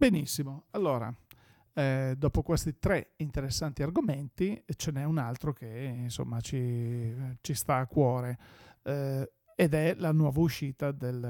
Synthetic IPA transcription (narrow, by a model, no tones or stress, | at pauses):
benisːimoalːoːɾa̰ | d̪ɔːpokwest̪it̪ɾɛint̪eɾesːant̪iarɡoment̪it͡ʃenɛunalt̪ɾokeinso̰mːat͡ʃi | t͡ʃist̪aːkːwɔːɾe | ed̪ɛlanwɔːvauʃiːt̪ad̪el